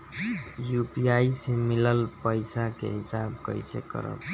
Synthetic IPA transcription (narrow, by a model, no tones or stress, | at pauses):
jupiaisemiləlpəjsakḛɦisabkə̰jt͡ʃʰḛkə̰ɾə̰t̪